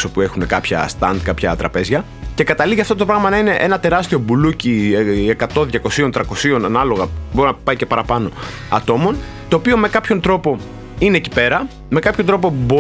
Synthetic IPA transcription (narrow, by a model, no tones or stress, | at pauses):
so̞pue̞xune̞kɐpçɐ̰st̪ɐnd̪kɐpçɐt̪ɾɐpe̞zʝɐ | ce̞kɐt̪ɐliʝɐft̪o̞t̪opɾoɣɐmɐnɐine̞ʔe̞nɐt̪e̞ɾɐst̪io̞bulucieekɐt̪o̞ðʝɐko̞sio̞nt̪ɾɐko̞sio̞nɐnɐlo̞ɣɐbo̞ɾinɐpɐicepɐɾɐpɐno̞ | ɐt̪o̞mo̞nt̪o̞ːpio̞me̞kɐpço̞nt̪ɾo̞po̞ | ine̞ːci̥pe̞ɾɐ | me̞kɐpçod̪ɾo̞po̞bo